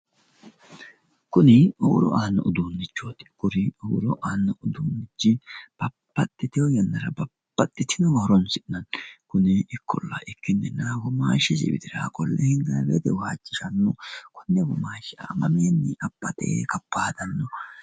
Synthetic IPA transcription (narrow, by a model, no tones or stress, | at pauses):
kʊnɪɔwʊ̰ɾɔ̰ʔaːnːɔʊd̪uːnːɪt͡ʃːoːt̪ɪ̥kʊɾɪɔɡʊɾɔʔaːnːɔʔʊd̪uːnːɪt͡ʃːɪb̥ɐpːɐt̪ːɪt̪ɪɔjɐnːɐɾɐbɐpːɐt̪ːɪt̪ɪnɔɡɐhʊɾɔnsɪnɐnkʊnɪɪkʰːɔ̰lːɐ̰ʔɪkːɪnːɛnɐɾɐɡɔmaːʃɛzɪ̰bɪ̰d̪ɪɾa̰ːkʼɔlːɛhɪŋɡɐbɛd̪ɛwaːt͡ʃʼːɪʃɐnːɔkʰɔnːɛɡɔmaːʃɛamɐmeːnːɪʔɐpːɐt̪ḛkɐpːaːd̪ɐnːɔ